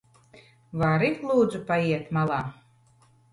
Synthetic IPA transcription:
vaɾiklˠuːd̪zupaiɛt̪malˠɑː

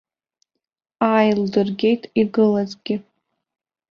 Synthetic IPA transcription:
aːjldɨrɡʲe̞jtʼʰiɡɨlazɡʲɪ

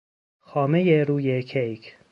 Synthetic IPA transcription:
xɒːmejeɾuːjekʰejkʰ

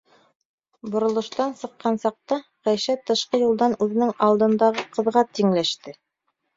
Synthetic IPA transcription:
bŏɾŏlˠɤ̆ʃt̪ɑnsɤ̆qːɑnsɑq̚t̪ɑqæjʃæt̪ɤ̆ʃqɤjulˠd̪ɑnʉðɘ̆nɘŋɑlˠd̪ɤ̆nd̪ɑʁɤqɤ̆ðʁɑt̪iŋlæʃt̪ɘ

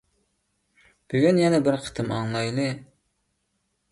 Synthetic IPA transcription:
b̥yɡʲynjɛnɛbɪɾqʰə̥t̪ʰɨmɑŋlˠɑjlˠɨ

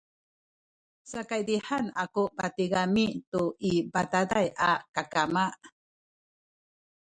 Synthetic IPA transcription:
sakajdiħanakubatiɡamituibatadajʔakakamaʔ

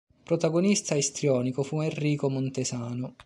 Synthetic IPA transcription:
pɾot̪aɡonist̪aest̪ɾjɔːnikofuɛrːiːkomont̪esaːnʊ

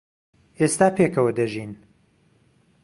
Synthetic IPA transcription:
est̪aːpʰekʰɐwɐd̪ɐʒiːn

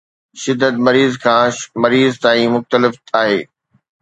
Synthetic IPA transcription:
ʃɪd̪ːət̪̚mɐɾiːzkʰãːmɐɾiːzt̪aːĩmʊxt̪əlɪfaːɦeː

